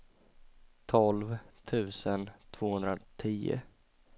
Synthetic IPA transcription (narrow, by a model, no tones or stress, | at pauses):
t̪ʰɔlvt̪ʰʉ̟ːsənt̪ʰv̥oːhɵnd̪ɾat̪ʰiːʊ̰